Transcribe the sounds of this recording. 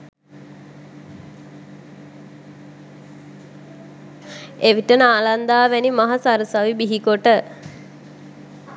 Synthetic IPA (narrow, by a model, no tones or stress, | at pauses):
eʋiʈənəaːland̪aːʋɛnimaɦasaɾəsaʋibiɦikoʈə